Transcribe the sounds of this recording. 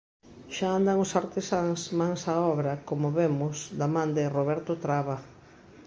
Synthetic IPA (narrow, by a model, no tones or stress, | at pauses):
ʃaand̪aŋʊsaɾt̪esaŋsmaŋsaɔβɾɐkomoβemʊsd̪amãnd̪ɪroβɛɾt̪ʊt̪ɾaβa